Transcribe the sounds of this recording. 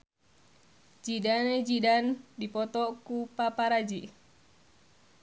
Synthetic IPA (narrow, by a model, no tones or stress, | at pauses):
d͡ʒidaned͡ʒidandipɔt̪ɔkupapaɾad͡ʒi